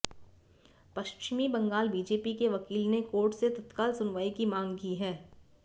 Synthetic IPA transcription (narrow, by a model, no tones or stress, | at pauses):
pɐʃt͡ʃɪmibɐ̃ŋɡaːlbiːd͡ʒeːpikeʋɐkiːlnekoːɾʈset̪ɐt̪kaːlsʊnʋaːikimãːŋɡkiɦɛː